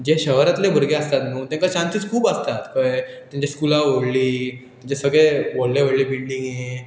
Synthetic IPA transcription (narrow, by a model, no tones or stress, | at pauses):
d͡ʑeɕəʋɾat̪lebʱəɾɡeəst̪at̪nuːt̪jãŋkat͡ɕãnsiːt͡skʰuːpəst̪at̪kəɭ | t̪jãɲt͡ɕiskulaʋoɽliːt̪t͡ɕesəɡɭeʋoɽleʋəɽlibiɭliŋɡje